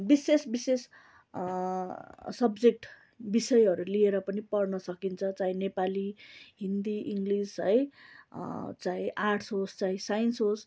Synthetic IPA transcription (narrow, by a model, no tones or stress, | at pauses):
bisesbises | sʌbd͡zek̚ʈ | bisʌjɦʌɾulieɾʌpʌnipʌrnʌsʌkint͡sʰʌt͡saĩnepaliɦind̪iʔiŋɡlisʌj | t͡sãĩʔarʈʰsɦost͡saĩsajnsɦos